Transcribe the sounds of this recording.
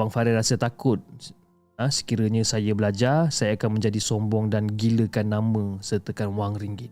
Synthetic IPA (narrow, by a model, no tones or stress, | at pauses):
baŋfaɾɛrasət̪akʊt̪̚ | əsə̥kiɾəɲə̃sajəbəlad͡ʒarsajaːkanmə̃ɲd͡ʒadisɔmbɔŋdanɡiləkanːãmə̃sərt̪əkanwaŋriŋɡɪt̪̚